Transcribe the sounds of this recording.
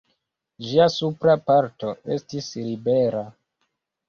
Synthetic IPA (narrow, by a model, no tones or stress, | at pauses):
ʒiasupɾapaɾto̞e̞̰stislibeɾa